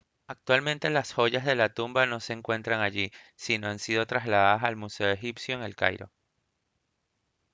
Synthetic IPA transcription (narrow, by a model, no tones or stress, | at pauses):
ak̚t̪walmẽ̞nt̪e̞lasxo̞ʝazðe̞lat̪umbano̞se̞ːŋkwe̞nt̪ɾaŋaʝisino̞ansið̞o̞t̪ɾazlaðaðasalmuse̞oe̞xipsjoeŋelka̰jɾo̞̰